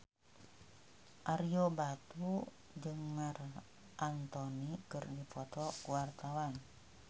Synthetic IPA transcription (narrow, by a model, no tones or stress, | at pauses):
ʔarjobat̪u | d͡ʒɨŋːar | ʔant̪ɔnikərdipɔt̪ɔkuwart̪awan